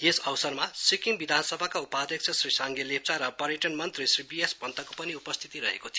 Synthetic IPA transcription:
jesʌwsʌrmasikiŋbid̪ʱansʌbʱakaupad̪jʌk̚t͡sʰʌsrisʌŋɡelep̚t͡saɾʌpʌɾjeʈʌnmʌnt̪risribiesbʌnt̪ʌkopʌniupʌst̪ʰit̪iɾʌɦḛkot̪ʰi

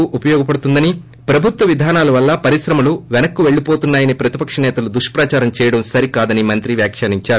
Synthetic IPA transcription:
uʔupɐjɔːɡɐpɐɽut̪und̪ɐni | pɾɐbʱut̪ʋɐʋid̪ʱaːnaːlɐʋɐlːɐpɐɾiʃɾɐmɐluʋɛnɐkːuʋe̞ɭːipoːt̪unːaːjɐnipɾɐt̪ipɐkʂɐnɛːt̪ɐlud̪uʂɐ̥pɾaːt͡ʃaːɾɐmt͡ʃɛːjɐɽɐmsɐɾikaːd̪ɐnimɐnt̪ɾiʋjaːkʂaːniɲt͡ʃaːɾu

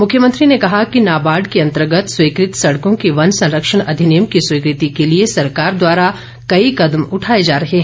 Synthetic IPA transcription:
mʊkʰjəmə̃nt̪ɾinekɐɦakinaːbaːɖkiɐ̃nt̪əɾɡət̪swiːkɾɪt̪sɐɽkõkiʋɐnsɐ̃nɾəkʃəɽ̃ʔɐd̪ʱɪnɪjəmkiswiːkɾɪt̪ikeliesɐɾkaːɾd̪waːɾa | kɐikɐd̪mʊʈʰaːed͡ʒaːɾɐɦeɦɛ̃ː

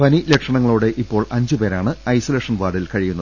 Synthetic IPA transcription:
pɐnilekʂɐɳɐŋːɐɭuːɽe̞ʔipːo̞ːɭɐɲd͡ʑɨpe̞ːɾaːɳɨɐjsɐleːʂɐnʋaːɽilkɐɻijunːɐ

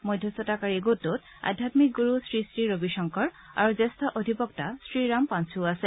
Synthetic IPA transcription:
mojdʱjɔsɔtakaɹiɡotːot | a̰dʱjatmik̚ɡuɹusɹisɹiɹobiʃɔŋkɔɹ | a̰ɹuzestʰɔʔodʱipɔktasɹiɹampansuasɛ

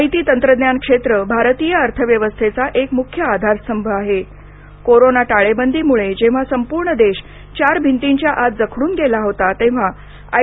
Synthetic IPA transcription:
it̪iːt̪ənt̪ɾəd̪njankʂet̪ɾəbʱaɾt̪ijəəɾt̪ʰəʋjəʋəst̪ʰet͡saʔekmukʰjəad̪ʱaɾsəmbʱəaɦe | koɾonaʈaɭebənd̪ʱiːmuɭed͡ʑẽʋ̤asəmpuɾɳəd̪eɕ | t͡ɕaɾbʱint̪iɲt͡ɕjaʔat̪d͡zəkʰɽuːnɡelaɦot̪at̪ẽʋ̤a | a

